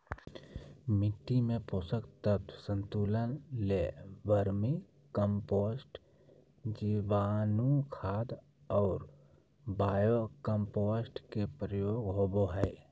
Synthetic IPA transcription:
mɪʈːimẽposəkt̪ət̪sə̃nt̪uːlənleʋəɾmi | kəmpoːsʈ | d͡ʒiʋaːnukʰaːd̪ | ɔːɾ | baːjokəmpoːsʈkepɾəjoːɡɦoːboɦɛː

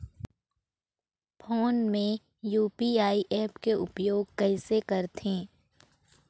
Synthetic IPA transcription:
pʰoːnmẽ | juːpiaːiʔɛːpkeʔʊpjoːɡ̚kɛɪsekəɾt̪ʰẽː

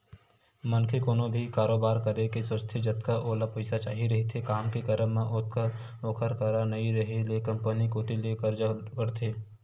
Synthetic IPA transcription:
mɐnkʰekoːnõbʱikaːɾoːbaːɾkɐɾekeswəst̪ʰed͡ʒɐt̪kaʔoːlapɐɪsat͡ʃa̰ːɦiɾɐɦet̪ʰekaːmkekəɾəmẽʔot̪̚ka | oːkʰəɾkəɾanɐiɾɐɦelekɐ̃mpənikoːt̪ilekəɾd͡ʒakəɾt̪ʰeː

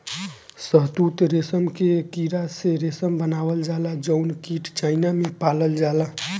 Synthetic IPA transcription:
səɦt̪ut̪ɾesəmkekiɾaseɾesəmbənabəld͡ʒalad͡ʒəʊnkiʈt͡ʃaɪnamepaləld͡ʒala

